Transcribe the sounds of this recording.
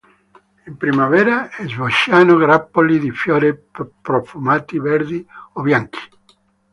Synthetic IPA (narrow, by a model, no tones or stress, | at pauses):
impɾimavɛːɾaɛzvoʃjanoɡɾapːolid̪ifjɔːɾepɾofumaːt̪ivɛɾd̪iobjaŋki̥